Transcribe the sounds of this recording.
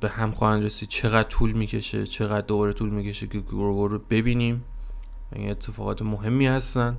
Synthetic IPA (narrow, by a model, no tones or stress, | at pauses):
b̥e̞hæmxɒːhænɾesiːd̪̥̚t͡ʃʰe̞ɣæd̪̥̚t̪ʰuːlmiːcʰe̞ʃḛt͡ʃʰe̞ɣæd̪̚ːo̞bɒːɾe̞t̪ʰuːlmiːcʰe̞ʃekʰɡɾɡoɾobe̞biːniːm | væ̰ḭːne̞t̪ʰːe̞fɒːɣɒːt̪ʰemoɦe̞mːiːhæst̪ænd̪